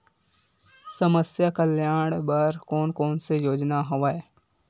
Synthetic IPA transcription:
səməsjakəljaːɽ̃bəɾkoːnkoːnsejoːd͡ʒnaɦoʋaːe

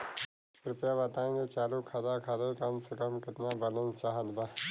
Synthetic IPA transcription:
ɾʊpjabɐt̪aːẽŋɡet͡ʃaːlukʰad̪akʰad̪okɐmsekəmkɪt̪nabɐlənt͡ʃaɦəd̪ba

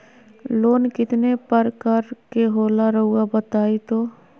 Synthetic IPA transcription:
loːnkɪt̪nepəɾkəɾkeɦoːlaɾɐɦuabət̪aːit̪oː

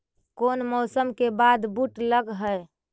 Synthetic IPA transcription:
koːnmɔsəmkebad̪buʈləɡɦəj

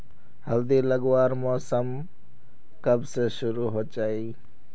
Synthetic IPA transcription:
həld̪iːləɡwaːɾmɔːsəm | kəbseʃʊɾuːɦoːt͡ʃaːiː

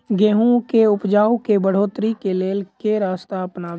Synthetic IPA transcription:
ɡeːɦũkeʊpd͡ʒaːukebəɽ̤oːt̪ɾikeleːlkeɾaːst̪aɐpnaː

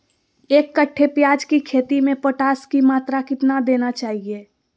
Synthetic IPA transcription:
eːkːəʈʰːepjaːd͡ʒkikʰeːt̪imẽpəʈaːskimaːt̪ɾakɪt̪nad̪eːnat͡ʃaːɦieː

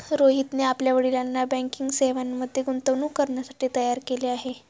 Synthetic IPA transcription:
ɾoɦit̪neapljaʋeɽilanːabə̃ŋkiŋɡseʋanməd̪ʱːjeɡunt̪əʋnuːkəɾɳjasaʈiːt̪əjaɾkeleaɦe

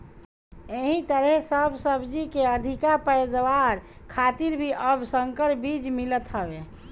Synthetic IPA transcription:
eɦĩt̪əɾɛsəbʱsəbd͡ʒikeəd̪ʱikapəɪd̪ʋaɾ | kʰat̪iɾbʱiʔəbʱsəŋkəɾbid͡ʒmilət̪ɦəbe

